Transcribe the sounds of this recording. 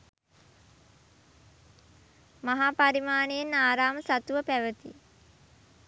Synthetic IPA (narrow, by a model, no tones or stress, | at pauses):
maɦaːpaɾimaːnejenːaːɾaːməsat̪uʋəpæʋət̪ḭ